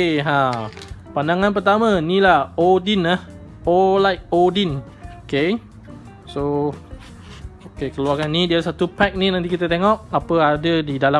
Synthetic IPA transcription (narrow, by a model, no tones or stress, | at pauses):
eɦã | pandaŋãnpərt̪amãnilahodinah | olajk̚odin | oke | so | okekəluarkanːidiasat̪upɛk̚ninãnt̪ikit̪ət̪eŋɔk̚apəadədidala